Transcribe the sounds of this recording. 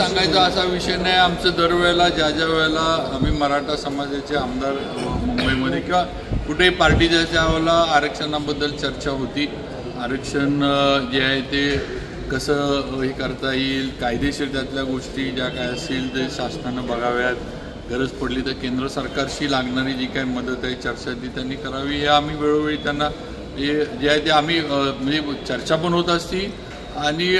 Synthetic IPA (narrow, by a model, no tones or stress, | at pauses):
sãŋɡajt͡səəsaʋiʂəjnajamt͡səd̪əɾʋɛɭlad͡ʑad͡ʑaʋɛɭlaːmiːməɾaʈʰasəmad͡zjat͡seamd̪aɾ | mumbəjməd̪ʱːjekĩʋa | kuʈʰepaɾʈiːd͡ʑ̪jat͡ɕjaʋlaːɾəkʂənabəd̪ːəlt͡ɕəɾt͡ɕaɦot̪iː | aɾəkʂənd͡ʑeajet̪e | kəsəːəɦiːkəɾt̪aiːlkajd̪eɕet̪jat̪ljaɡoʂʈiːd͡ʑakajəst̪iːlt̪eɕasnanəbəɡaʋjat̪ | ɡəɾəd͡zpəɽliːt̪əkend̪ɾəsəɾkaɾɕiːlaɡɳaɾiːd͡ʑikajməd̪ət̪aɦit͡ɕəɾt͡ɕat̪̚d̪it̪janːiːkəɾaʋiːɦeam̤iːʋeɭoʋeɭiːt̪janːa | ɦed͡ʑeajt̪eam̤iːm̤əd͡ʑet͡ɕəɾt͡ɕap̬əɳɦot̪əst̪iː | aɽ̃i